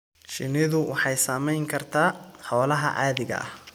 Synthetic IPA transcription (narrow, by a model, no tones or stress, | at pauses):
ʃɪnɪðʊwʔɑħɑjsaːmɛjŋkʰɐrt̪ʰaːħɔːlɐɦɐ̰ʔaːðɪɣɐ̰ʔɐ̰h